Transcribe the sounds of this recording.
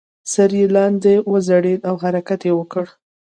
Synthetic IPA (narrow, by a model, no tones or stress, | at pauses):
saɾjelɑnd̪ewəzaɽelawɦaɾakat̪jewəkəɽ